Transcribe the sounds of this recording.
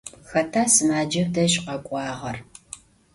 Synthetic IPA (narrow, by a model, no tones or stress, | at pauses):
xɐtʰaːsɨmaːd͡ʒɐvdɐɕʼqɐkʷʼɑːʁɐr